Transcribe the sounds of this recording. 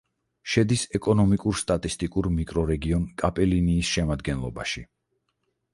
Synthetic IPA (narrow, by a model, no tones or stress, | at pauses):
ʃɛd̪isɛkʼɔnɔmikʼuɾst̪ʼat̪ʼist̪ʼikʼuɾmikʼɾɔɾɛɡiɔnkʼapʼɛliniːsʃɛmad̪ɡɛnlˠɔbaʃi